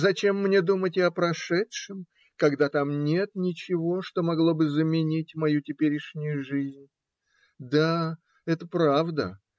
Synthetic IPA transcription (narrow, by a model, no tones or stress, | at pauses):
zɐt͡ɕe̞mːnʲe̞d̪umətʲɐpɾɐʂɛtʂɨm | kɐɡd̪at̪amnʲe̞t̪nʲɪt͡ɕɪvo̞ʂt̪o̞mɐɡlˠo̞bɨzəmʲɪnʲitʲmɐjutʲɪpʲeɾʲɪʂnʲʊjʊʐɨzʲnʲ | d̪a | ɛt̪əpɾavd̪ə̰